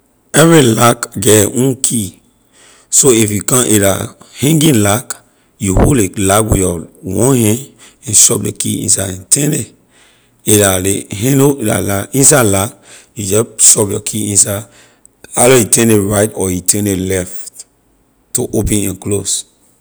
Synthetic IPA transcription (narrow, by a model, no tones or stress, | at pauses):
ɛvɹilakɡɛʔũnkʰi | soifjukãʔeɾa̰hɛ̃ŋɡĩnlak | juholelakwḭjɔwɔ̃nhɛ̃n | ɛ̃nʃɔp̚dekḭḭ̃nsaɛ̃ntʰɛ̃ne | eɾalehɛ̃oda̰laĩnsadlakjud͡ʒɔʃɔpjɔkʰiĩnsad | alɔjitɛ̃neɹaɪtɔjitɛ̃nelɛft | tːoʔopɛ̃nɛ̃nklos